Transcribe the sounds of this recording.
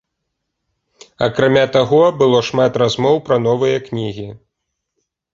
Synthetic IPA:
ɐkɾamʲat̪aɣɔbɨlˠɔʂmat̪ɾazmɔwpɾɐn̪ɔvɨjɐknʲiɣʲi

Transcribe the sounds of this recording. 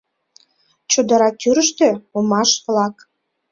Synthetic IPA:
t͡ɕud̪əɾɑk̪yɾəʃt̪øomɑʃβlɑk

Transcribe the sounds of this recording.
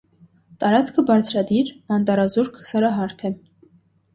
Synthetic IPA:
t̪ɑɾɑt͡skʰəbɑɾt͡sʰɾɑd̪iɾmɑnt̪ɑɾɑzuɾkʰsɑɾɑɦɑɾt̪ʰɛ

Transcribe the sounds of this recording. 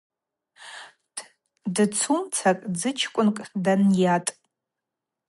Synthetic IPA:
dɨt͡sʰumt͡sʰakʼd͡zɨt͡ʃʰkʷʼʊnkʼdanjatʼ

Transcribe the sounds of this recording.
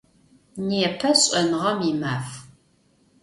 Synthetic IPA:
niɛpʰɐɕʼɐnʁɐmimaːf

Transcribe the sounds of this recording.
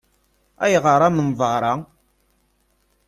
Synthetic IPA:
æ̰jʁəɾˤamənvˤɑɾˤɑ

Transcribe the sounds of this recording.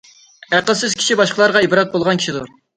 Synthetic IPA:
æqəlˠsɪz̥kʲʰi̥ʃibɑʃqəlˠɑɾʁɑibɾɑt̪̚bolˠʁɑnkʲi̥ʃid̪u

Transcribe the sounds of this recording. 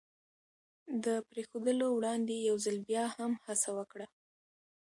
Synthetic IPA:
d̪əpɾexod̪əlowɽɑnd̪ejawzalbjɑhamhasawəkɽa

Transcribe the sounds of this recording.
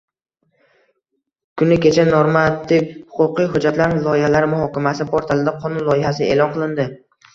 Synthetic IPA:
kʰʊnɪkʲe̞t͡ʃʰanoɾmat̪ʰːɪfhʊ̥qʊqɨjɦʊd͡ʒat̪laɾnɪlˠɒjɪhalaɾmʊhɒkʲʰamasɪpoɾt̪ʰalɪd̪aqʰɒnʊnlˠɒjɪhasɪe̞̰lˠɒnqɨlˠɪnd̪ɪ

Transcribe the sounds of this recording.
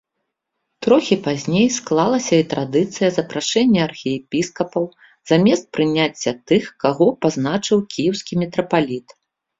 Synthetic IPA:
t̪ɾɔxʲipazʲnʲejsklˠalˠɐsʲɐit̪ɾad̪ɨt̪sɨjɐzɐpɾaʂɛnʲːɛɐrxʲijɛpʲiskɐpɐw | zamʲɛst̪̚pɾɨnʲat͡sʲːɐt̪ɨxkaɣɔpaznat͡ʂɨwkʲijɛwsʲkʲimʲɛt̪ɾɐpalʲit̪

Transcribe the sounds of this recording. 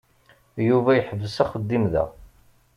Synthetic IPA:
juvæjħəvːəsæχəd̪ːimðæ̰

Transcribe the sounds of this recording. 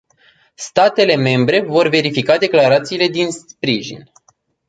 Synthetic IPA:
st̪at̪e̞le̞me̞mbɾe̞vo̞rve̞ɾifikad̪e̞klaɾat̪siːle̞d̪inspɾiʒḭn

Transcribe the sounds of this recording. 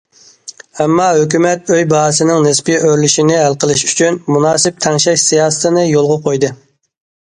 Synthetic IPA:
ɛmːɑɦøkʲymɛt̪̚øjbɑɦsɪnɪŋnɪspiøɾlyʃinɪɦælqəlˠɨʃy̥t͡ʃʰynmunɑːsɪp̚t̪ʰɛŋʃɛʃsijɑːsɨ̥t̪ʰɨnɨjolˠʁɑqʰojd̪ɨ

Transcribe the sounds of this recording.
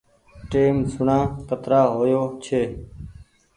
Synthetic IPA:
ʈeːmsʊɳãːkət̪ɾaːɦoːjoːt͡ʃʰeː

